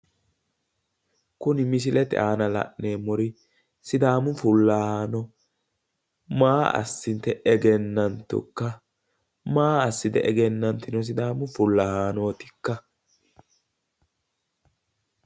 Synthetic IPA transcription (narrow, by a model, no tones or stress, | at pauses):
kʊnɪmɪs̬ɪlɛt̪ɛ̰ʔaːnɐlɐ̰ʔneːmɔɾɪ | sɪd̪aːmʊfʊlːɐhaaːnɔ | maːɐ̰sːɪnt̪ɛʔɛɡɛnːɐnt̪ʊ̰kːɐ | maːɐsːɪd̪ɛʔɛɡɛnːɐnt̪ɪnɔs̬ɪd̪aːmʊfʊlːɐhaːno̞ːt̪ɪ̥kːɐ